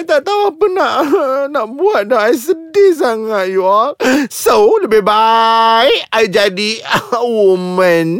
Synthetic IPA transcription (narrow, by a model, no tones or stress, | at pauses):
t̪aʔt̪awapənaʔnaʔbuat̪̚dɔɦajs̬ədis̬aŋat̪̚juasoləbɪhbajajd͡ʒadiwumə̃n